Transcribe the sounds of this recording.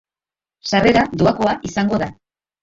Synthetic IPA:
sare̞ɾad̪uako̞aʔisaŋɡo̞ða

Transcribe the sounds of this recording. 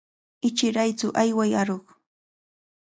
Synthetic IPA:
ɪt͡ʃɪɾajt͡sʊʔajwajaɾoχ

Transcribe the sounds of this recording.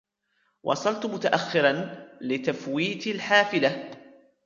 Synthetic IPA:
wʔɑ̰sˤɑlt̪mʊt̪aʔaxːɪɾanlɪt̪afwiːt̪lħaːfɪla

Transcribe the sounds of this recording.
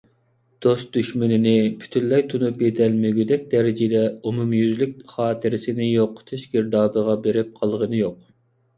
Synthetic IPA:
d̪̥ost̪̚d̪yʃmɪnɪnɪpʰy̥t̪ʰylːɛjt̪ʰunupjed̪ɛlmeɡʲyd̪ɛk̚ʲd̪ɛɾɪd͡ʒɪd̪ɛumumjyzlyk̚ʲχɑːt̪ʰɨɾɪsɪnɪjoqːt̪ʰeʃɡʲiɾd̪ɑːbəʁɑbeɾɪp̚qʰɑlˠʁənɨjoq

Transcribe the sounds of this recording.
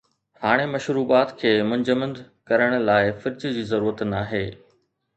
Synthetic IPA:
haːɽ̃emɐʃɾuːbaːt̪kʰeːmʊ̃ɲd͡ʑəmə̃nd̪ | kɐɾəɽ̃laːɪfɪɾd͡ʑd͡ʑiːzɐɾuːɾət̪naːɦeː

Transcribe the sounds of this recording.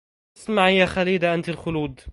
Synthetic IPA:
smaʕɪjːaxaliːd̪aʔant̪ɪlxʊluːd̪

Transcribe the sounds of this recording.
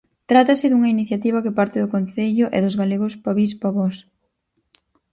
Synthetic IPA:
t̪ɾat̪ɐsɪðuŋɐiniθjat̪iβ̞ɐkɪpaɾt̪ɪðʊkon̟θeʎʊʔɛ̰ðʊzɣaleɣʊspaβis̬paβɔs

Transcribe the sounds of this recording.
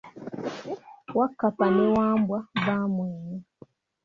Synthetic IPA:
wakːapaniwaːmbwabamweːɲi

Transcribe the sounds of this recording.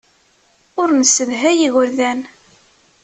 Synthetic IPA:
ʊɾnsəðɦæjiɣəɾðæn

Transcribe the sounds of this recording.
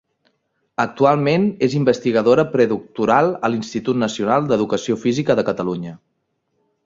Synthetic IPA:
ək̚t̪ualˠmenezimbəst̪iɣəðoɾəpɾɛðuk̚t̪uɾalˠəlinst̪it̪ut̪nəsiunalˠd̪əðukəsiofizikəðəkət̪əluɲə

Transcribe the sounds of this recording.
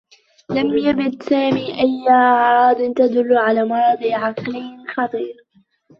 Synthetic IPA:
lamjabɪd̪saːmiːʔajːaʕɑɾˤɑːd̪ˤɪnt̪ad̪ʊlːʊʕalaːmɑɾˤɑd̪ˤiʕɑqlɪjxɑt̪ˤiːɾ

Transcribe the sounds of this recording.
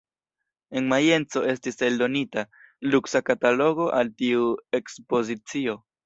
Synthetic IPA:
e̞nmaje̞nt͡so̞e̞stise̞ldo̞nita | luksakatalo̞ɡo̞ʔaltiue̞kspo̞zit͡sio̞

